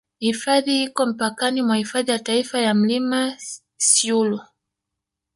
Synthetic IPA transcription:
hifaðihikɔm̩pakanimwahifaðijataifajam̩lima | siulu

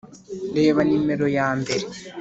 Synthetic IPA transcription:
deːβanimeɾojaːmbeɾe

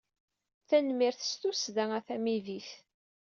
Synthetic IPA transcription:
θænmiɾθə̥st̪usðæŋæθæmiðiθ

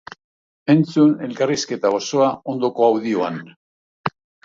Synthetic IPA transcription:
e̞nt͡sune̞lkariske̞t̪aoso̞ao̞nd̪o̞ko̞awðio̞an

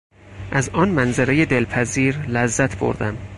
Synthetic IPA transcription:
ʔæzɒːnmænzeɾeje̞d̪elpʰæziːɾlæzːæt̪ʰbo̰ɾd̪æm

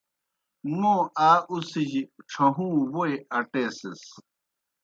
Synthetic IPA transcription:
moːʔaːʔusiʑiʈ͡ʂʰɐɦũːwoeɐʈeːses

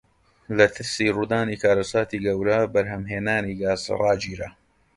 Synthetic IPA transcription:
lɐt̪ʰɨɾsiruːd̪aːniːkʰaːɾɐsaːt̪iːɡɐwɾɐbɐɾɦɐmɦeːnaːniɡaːz̰rɑːd͡ʒiːɾɐ̰

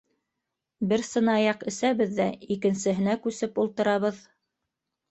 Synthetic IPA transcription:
bɘɾsɤ̆nɑjɑqɘ̆sæβɘðːæikɘ̆nsɘ̆ɦɘ̆nækʉsɘpulˠt̪ɤ̆ɾɑβɤð

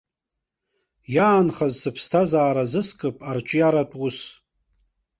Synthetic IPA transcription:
jaːnχazsɨpʰstʰazaːɾazɨskʼɨpʼart͡ʃʼjaɾatʷʼʊs

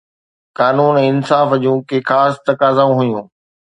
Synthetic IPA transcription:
kaːnuːnɛːɪnsaːfd͡ʑũːkeːxaːst̪ɐkaːzaũɦʊjũː

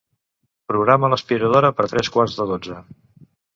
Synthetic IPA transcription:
pɾuɣɾamələspiɾəð̞oɾəpəɾt̪ɾɛskwarzðəðod͡zə

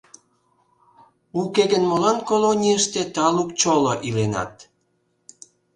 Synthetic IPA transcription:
ukeɣənmolɑnkolonʲiəʃt̪et̪ɑlukt͡ɕoloʔilenɑ̰t̪̚

